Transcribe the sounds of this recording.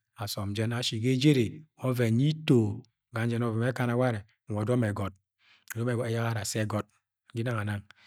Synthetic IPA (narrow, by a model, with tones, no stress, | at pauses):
a˨sɔ˨md͡ʒɛ˦na˨˦ʃi˨ɡe˦d͡ʒe˦ɾe˨o˦ve˨ɲi˦to˨ | ɡa˨n˦d͡ʒɛ˦nɔ˦vɛ˨me˦ka˦na˨wa˦ɾe˨ | ɔ˨do˦me˨ɡɔ˨t̚ | o˨dɔ˦me˨ɡɔ˨de˦ja˦ɣa˦ɾa˨se˦ɡɔ˨t̚ | ɡi˦na˦ŋa˨na˦ŋ